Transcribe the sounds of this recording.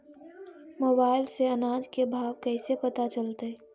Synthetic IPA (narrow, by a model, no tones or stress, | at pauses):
moːbaːɪlseɐnaːd͡ʒkebʱaːʋkɛːsepɐt̪at͡ʃəlt̪e